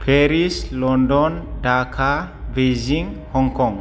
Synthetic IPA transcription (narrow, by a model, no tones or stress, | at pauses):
pʰɛɾislɔndɔndakʰaveziŋhɔŋkɔŋ